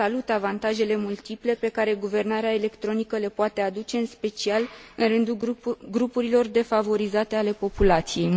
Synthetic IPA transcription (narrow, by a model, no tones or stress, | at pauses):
alut̪avant̪aʒe̞le̞mult̪iple̞pe̞kaɾe̞ɡuve̞rnaɾeaele̞kt̪ɾo̞nikəle̞poat̪e̞ad̪ut͡ʃe̞ɨnspe̞t͡ʃialɨnrɨnd̪uɡɾupuɾilo̞rd̪e̞favo̞ɾizat̪e̞ale̞po̞pulat̪sije̞j